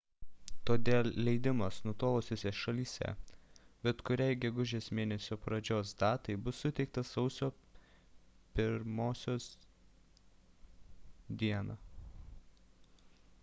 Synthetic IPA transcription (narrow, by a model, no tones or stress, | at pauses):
t̪oːd̪ʲeːlʲˠlʲɛɪd̪ʲɪmɐsnʊt̪oːʋˠosʲoːsʲeʃɐlʲiːsʲɛ̰bʲɛt̪kʊɾʲɛɪɡʲɛɡʊʒʲeːsmʲeːnʲɛsʲoːpɾɐd͡ʒʲoːsd̪ɑːt̪ɐɪbʊsːʊt̪ʲɛɪk̚t̪ɐsɒʊsʲoː | pʲɪɾmoːsʲoːs | d̪ʲiɛnɑː